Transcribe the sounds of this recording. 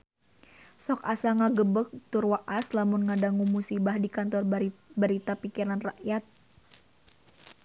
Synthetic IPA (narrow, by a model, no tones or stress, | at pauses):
sɔkasaŋaɡəbək̚t̪ʊrwaʔaslamʊnŋadaŋumusibahdikant̪ɔrbəɾit̪apikiɾanra̰ʔjat̪̚